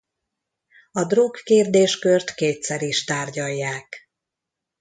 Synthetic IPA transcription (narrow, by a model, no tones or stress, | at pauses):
ɒd̪rokːeːrd̪eːʃkørt̪keːt̪sɛɾiʃt̪aːrɟɒjːaːk